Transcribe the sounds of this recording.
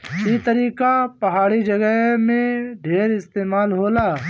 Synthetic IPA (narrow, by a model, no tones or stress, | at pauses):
t͡ʃiːt̪əɾiːkapɐɦaːɽid͡ʒɐɡəɦmẽɖʱeːɾɪst̪eːmaːlɦoːlaː